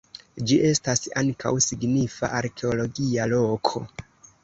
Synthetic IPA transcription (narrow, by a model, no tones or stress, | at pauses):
d͡ʒiʔe̞stasaŋka̰wsiɡnifa̰ʔaɾkʰe̞olo̞ɡialo̞kʰo̞̰